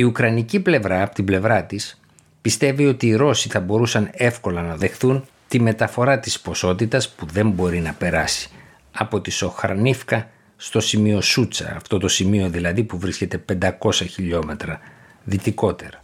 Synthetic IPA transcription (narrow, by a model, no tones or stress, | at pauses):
iukɾɐniciple̞vɾɐːpo̥t̪imble̞vɾɐt̪is | pist̪e̞vio̞t̪iːɾo̞siθɐbo̞ɾusɐne̞fko̞lɐnɐðe̞xθun | t̪ime̞t̪ɐfo̞ɾɐt̪ispo̞so̞t̪it̪ɐspuðe̞mbo̞ɾinɐpe̞ɾɐsi̥ | ɐpo̞t̪iso̞xɐ̰ɾnifkɐ | st̪o̞simio̞sut͡sɐ̰ːft̪o̞t̪o̞simio̞ðilɐðipuvɾisce̞t̪e̞pe̞nd̪ɐko̞sɐçiʎo̞me̞t̪ɾɐ | ðit̪iko̞t̪e̞ɾɐ